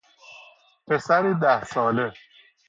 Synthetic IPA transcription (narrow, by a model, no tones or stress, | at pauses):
pʰesæɾiːd̪æhsɒːle